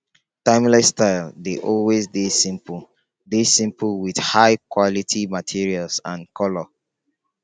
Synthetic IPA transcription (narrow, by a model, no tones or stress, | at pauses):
tãɪ̃mlastaɪldeʔɔlwezdesĩmpl̩ | desĩmpʰlwidhaɪkwɔlitʰimatʰiɹialsãnkʰɔlɔ